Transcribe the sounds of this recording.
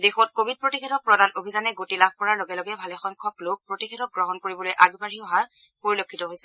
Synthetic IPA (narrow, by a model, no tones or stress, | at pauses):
dexɔtkobʱid̚pɹotikʰedɔt̚pɹɔdanʔobʱizanɛɡotilab̚ʱpɔɹaɹloɡɛlɔɡɛbʱalɛxɔŋkʰɔplok̚pɹotixʰɛdɔt̚ɡɹɔɦɔnkoɹibɔlojʔaɡbaɹiɔɦa | poɹilokʰːitɔɦojsɛ